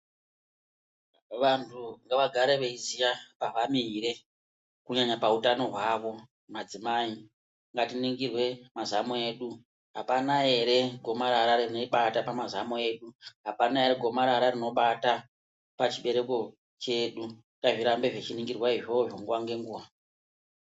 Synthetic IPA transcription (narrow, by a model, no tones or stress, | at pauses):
ʋantʰuŋɡaʋaɡʱaɾeʋeizijapaʋamiɾe̞ | kuɲaɲapautano̞ɦwaʋo̞ | mad͡zimai | ŋɡatiniŋɡirwe̞mazamoe̞ːɗu | ɦapanae̞ɾe̞ɡʱo̞maɾaɾaririno̞iɓatapamazamoe̞ːɗuɦapanae̞ɾeɡʱo̞maɾaɾarino̞ɓata | pat͡ʃiɓe̞ɾe̞ko̞ | t͡ʃe̞ɗu | ŋɡaʐiɾambe̞ʐet͡ʃiniŋɡirwaiʐoʐoŋɡuwaŋɡe̞ŋɡuʋa